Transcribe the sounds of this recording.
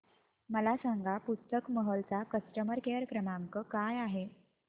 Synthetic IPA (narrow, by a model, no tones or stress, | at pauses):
məlasaŋɡapust̪əkməɦəlt͡sakəsʈəməɾkeɾkɾəmaŋkəkajaɦe